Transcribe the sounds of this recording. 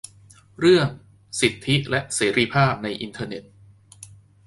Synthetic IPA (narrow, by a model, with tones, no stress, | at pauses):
ɾɯ˥˩əŋ | si˨˩t̪ʰːi˦˥lɛ˦˥ʔseː˩˦ɾiː˧pʰaː˥˩p̚na˧jʔi˧nt̪ʰɤː˧ne˨˩t̪̚